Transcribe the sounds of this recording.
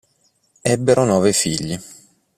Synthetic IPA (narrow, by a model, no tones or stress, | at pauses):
ɛbːeɾʔonɔːvefiʎːi